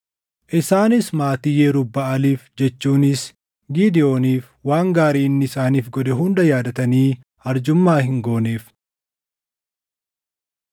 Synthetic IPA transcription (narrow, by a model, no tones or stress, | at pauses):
ʔɪsaːnɪsmaːt̪ɪjeːɾʊbːɐɐliːfd͡ʒɛt͡ʃːuːnɪs | ɡiːd̪ɪjo̞ːniːf | waːŋɡaːɾiːnːɪɪsaːniːfɡɔd̪ɛɦʊnd̪ɐjaːd̪ɐt̪ɐniː | ɐɾd͡ʒʊmːaːhɪŋɡo̞ːneːf